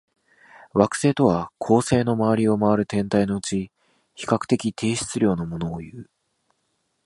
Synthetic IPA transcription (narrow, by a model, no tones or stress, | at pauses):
βakɯ̟̥se̞ːt̪o̞βakʰo̞ːse̞ːno̞maβaɾʲio̞maβaɾɯ̟t̪ẽ̞nt̪aino̞ɯ̟t͡ɕi | çi̥kakɯ̟̥t̪e̞kʲit̪ʰe̞ːɕi̥t͡sɨɾʲo̞ːno̞mo̞no̞ːjɯ̟ː